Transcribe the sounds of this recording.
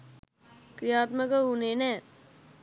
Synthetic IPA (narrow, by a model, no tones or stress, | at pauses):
kɾijaːt̪məkəunenɛː